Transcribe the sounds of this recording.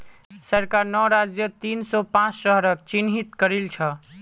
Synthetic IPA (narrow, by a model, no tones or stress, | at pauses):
səɾkaɾnɔɾad͡ʒjət̪insɔpãt͡ʃsəɦɾək̚t͡ʃinɦit̪kəɾilt͡ʃʰə